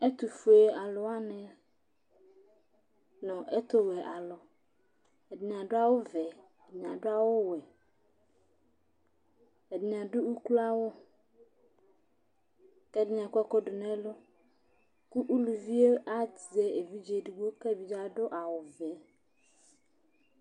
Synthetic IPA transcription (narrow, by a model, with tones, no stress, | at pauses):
ɛ˦t̪u˨fu˨e˨a˨lʊ˨a˦nɪ̃˨ | nɔ̃˨ʔɛ˦t̪ʊ˦wɛ˨ʔa˨lɔ˨ | ɛ˨dɪ˨ɲ˨a˨dʊ˦a˦wʊ˦vɛ˨ | dɲ˨ã˨dʊ˦a˦wʊ˦wɛ˨ | ɛ˨dɪ˨ɲ˨a˨dʊ˦u˦ku˦la˦wʊ˦ | kɛ˦dɪ˦ɲ˨a˨kɛ˦kɔ˦dʊ˨nɛ̃˦lʊ˦ | ku˦ʔu˦lu˨vi˦e˦a˦te˨e˨vi˦d͡ʒe˨du˨ɡo˦kɛ˦˨bi˨d͡ʒa˦dʊ˦ʔa˨wʊ˨vɛ˨˦